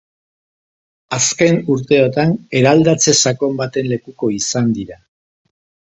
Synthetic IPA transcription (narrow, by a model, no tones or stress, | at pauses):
aske̞nuɾt̪e̞ot̪ane̞ɾald̪at͡se̞sako̞mbat̪e̞nle̞kuko̞isand̪iɾa